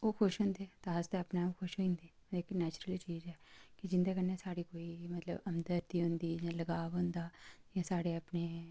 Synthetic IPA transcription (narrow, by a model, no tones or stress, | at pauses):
oːkʰʊʃɦʊ̃ːnd̪eːt̪aɦəzt̪eəpnamkʰʊʃɦõnd̪eː | ekinɛːt͡ʃɾəlt͡ʃiːzɦɛːkid͡ʒɪ̃nd̪aːkənːesaːɽiːkoːimɐt̪lə̰bəmd̪əɾt̪iːɦʊ̃nd̪iːjãːləɡaːʋʊ̃nd̪aːjãːsaːɽeəpneː